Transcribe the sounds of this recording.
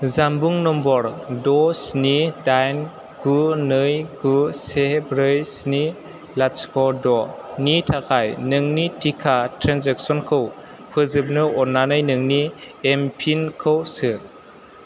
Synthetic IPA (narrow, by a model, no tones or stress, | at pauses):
zambuŋnɔmbɔɾdɔsnidajn | ɡ̥unɯjɡusebɾɯjsni | laskʰɔdɔnitʰakʰajnɯŋnitikʰatɾanzek̚sɔnkʰɯw | pʰɯzɯp̚nɯɔnːanɯjnɯŋni | empʰinkʰɯwsɯ